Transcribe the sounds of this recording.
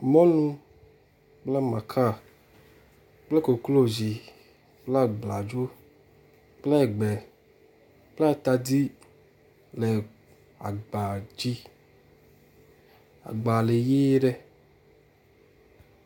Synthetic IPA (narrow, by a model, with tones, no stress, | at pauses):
mɔ̃˦nũ˧ | k͡plɛ˦ma˨kʰa˦˨ | k͡plɛ˦ko˨klo˦˨zi˨ | k͡pla˦˨ɡ͡bla˨d͡ʒo˦ | k͡plɛ˦˨ɡ͡bɛ˨ | k͡pla˦˨t̪a˧di˦ | lɛ˨ | a̰˨ɡ͡ba˨d͡ʒi˦ | a̰˨ɡ͡ba˨le˨je˦ɖɛ˦